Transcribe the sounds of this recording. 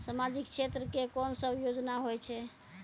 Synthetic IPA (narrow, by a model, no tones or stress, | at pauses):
samad͡ʒik̚t͡ʃʰet̪ɾəkekɔnsəbjod͡ʒnaɦojt͡ʃʰɛ